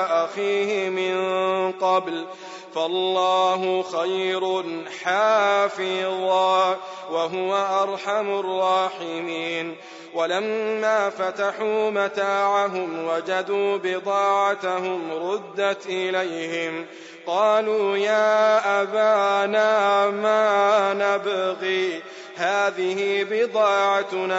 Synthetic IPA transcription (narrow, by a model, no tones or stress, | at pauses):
ʔaxiːhɪmɪnqɑbl | falːɑːɦʊxajɾʊħaːfɪðˤɑːwaɦʊwaʔɑɾˤħamʊrˤːɑːħɪmiːn | walamːaːfat̪aħuːmat̪aːʕaɦʊmwad͡ʒad̪uːbɪd̪ˤɑːʕat̪aɦʊmɾʊd̪ːat̪ʔɪlajhɪm | qɑːluːjaːʔabaːnaːmaːnabɣiː | haːðɪhɪbɪd̪ˤɑːʕanaː